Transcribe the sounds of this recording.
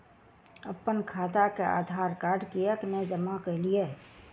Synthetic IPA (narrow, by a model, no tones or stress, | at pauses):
əpːənkʰaːt̪akea̰ːd̪ʱaːɾkaːɾɖkijəkned͡ʒəmakəɦlije